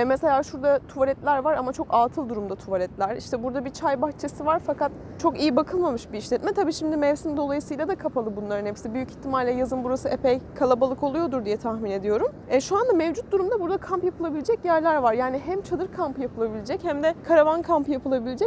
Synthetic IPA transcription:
ɛmeselʲaːʃuɾd̪at̪ʰuvalʲɛt̪lʲæɾvaɾamat͡ʃʰo̞kaːt̪ʰɯlˠd̪uɾumd̪at̪ʰuvalʲɛt̪lʲæɾiʃt̪ɛbuɾd̪abit͡ʃʰajbaxt͡ʃʰesivaɾfakat̪ | t͡ʃʰo̞kijibakʰɯlˠmamɯʃbiːʃlʲɛt̪mɛt̪ʰabiːʃimd̪imɛvsind̪o̞lˠajɯsɯjlʲˠad̪akʰapʰalˠɯbunlˠaɾɯnɛpsibyjyci̥çt̪ʰːimalʲlʲɛjazɯnbuɾasɯepɛjkʰalˠabalˠɯkʰo̞lˠujo̞d̪uɾd̪ijɛt̪ʰahmine̞d̪ijo̞ɾum | ɛʃuand̪amevd͡ʒut̪̚d̪uɾumd̪abuɾd̪akʰampjapʰɯlˠabilʲed͡ʒɛcjæɾlʲæɾvaɾjaːniɦæmt͡ʃʰad̪ɯɾkʰampjapʰɯlˠabilʲed͡ʒɛchæmd̪ɛkʰaɾavankʰampjapʰɯlˠabilʲed͡ʒɛc̚

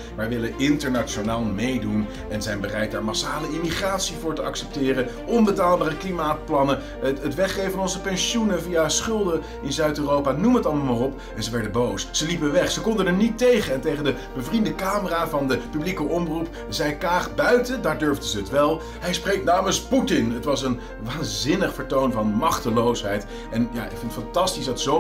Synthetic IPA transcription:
maːɹʋɪləɪntəɹnat͡ʃonaːlˠmejdun | ʔɛnzɛjnbərɛjt̚daːɹmɑsaːləimiχraːtsivʊːɹtəɑksɛp̚tɪːrəʔɔnbətaːlˠbaːrəklimaːt̚plɑnə | ətʋɛχχejəɑnɔnzəpɛnʃunəvijasχʏlˠdə | ɪnzœɥtøːrowpaːnuməətɑlˠmmarɔp | ɛnzəʋɛɹdəbowsz̥əlipənʋɛχsəkɔndənəɹnitejχəɛntejχəndəb̥əvrindəkaːməraːvɑndəpyblikəʔɔmrup | zɛjklaːχbœɥtədaːɹdøɹvdəzəːtʋɛlˠ | ɦɛjsprejk̚naːmənsputɪnətʋɑsən | ʋaːnzɪnəχfəɹtownvɑnmɑχtəlowsɦɛjt | ʔɛnja̰ːɪ̰kfɪnətfɑntɑstisdɑtso

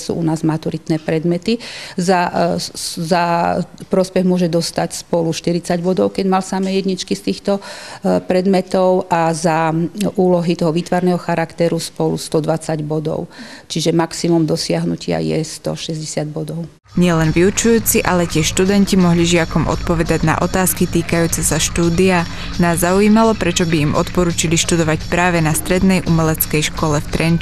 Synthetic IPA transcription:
sṵːunaːzmat̪uɾit̪nɛːpɾɛd̪mɛt̪iza | zapɾɔspɛɣmʊɔʒɛd̪ɔst̪acspɔluʃt̪iɾit͡saɟbɔd̪ɔʊkɛɟmalsamɛːjɛd̪ɲit͡ʃkist̪iːxt̪ɔpɾɛd̪mɛt̪ɔʊʔazaʔuːlɔɦit̪ɔɦɔʋiːt̪ʋaɾnɛːɦɔxaɾakt̪ɛɾuspɔlṵst̪ɔd̪ʋat͡saɟbɔd̪ɔ̰ʊt͡ʃiʒɛmaksimumd̪ɔsɪaɦnucɪa̰jɛ̰st̪ɔ̰ʃɛzɟɛsɪad̪̚bɔd̪ɔʊ | ɲɪɛlɛnʋiut͡ʃujuːt͡siʔalɛcɪɛʃt̪ud̪ɛncimɔɦliʒɪakɔmʔɔ̰t̪pɔʋɛd̪aɟna̰ʔɔt̪aːskit̪iːkajuːt͡sɛsaʃt̪uːd̪ia | naːzːauiːmalɔpɾɛt͡ʃɔbiimʔɔt̪pɔɾuːt͡ʃiliʃt̪ud̪ɔʋacpɾaːʋɛnast̪ɾɛd̪nɛjʔumɛlɛt͡skɛjʃkɔlɛft̪ɾɛn

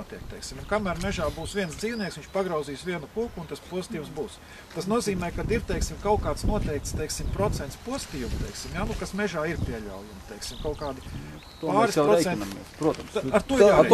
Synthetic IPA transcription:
t̪ʲiɛk̚t̪ɛjksimunkamæːɾmɛʒaːbuːsʋʲiɛnsd̪ziːʊniɛksʋiɲt͡ʃpaɡɾawziːsʋʲiɛnukuɔkuːnt̪aspuɔst̪iːumsbuːs | t̪asnuɔziːmɛːjkad̪iɾt̪ejksimkawkaːt̪snuɔt̪ɛɪk̚t̪st̪ejksimpɾɔt̪sɛnt̪spuɔst̪iːumt̪ɛjksimjaːnukasmʲɛʒaːiɾpʲiɛlʲa̰wjumt̪ejksimkaʊkaːd̪i | paːɾispɾɔsɛnnmḭspɾuɔt̪ɐmsaɾt̪uɔjaː

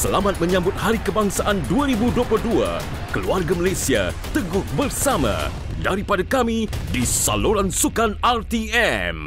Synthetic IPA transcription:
səlamat̪̚mə̃ɲãmbʊt̪̚haɾikəbaŋsaʔanduaɾibudopuldua̰ | kəluarɡamalajsia̰ | t̪əɡʊhbərsamã̰ | daɾipadakamidisa̰luɾansukanalt̪iɛm

